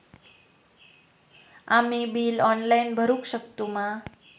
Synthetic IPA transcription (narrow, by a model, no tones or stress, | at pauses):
amibiːlɔnlainbʱəɾũkɕəkt̪uma